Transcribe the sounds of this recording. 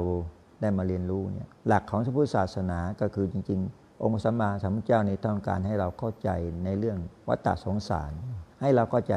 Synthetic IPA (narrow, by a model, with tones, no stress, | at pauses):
w | daː˥˩jmaː˧ɾi˧ənɾuː˦˥nḭ˦˥˩ɐla˨˩kʰːɔː˩˦ŋsa˧˥pʰuː˦˥˩t̚saː˨˩t̪̚sa˧naː˩˦kɔː˥˩kʰɯː˧t͡ɕi˧ŋt͡ɕi˧ŋ | ʔo˧ŋpʰa˧˩saː˩˦mlaː˧saː˨˦mʰu˧˥˩t͡ɕaː˥˩wniː˥˩t̪ɔː˥˩ŋka̰ː˧nɦa˥˩jɾa˧wkʰa˥˩wt͡ɕa̰˧jna˧jɾɯ˥˩əŋwa̰˦˥t̪ːa̰˨˩so˩˦ŋsa̰ː˨˦nha˥˩jɾa˧wkʰa˥˩wt͡ɕa˧